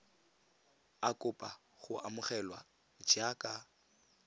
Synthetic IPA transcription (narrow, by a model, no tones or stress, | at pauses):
akʼʊpʼa | ɣʊamʊχɛlwa̰ | d͡ʒakʼa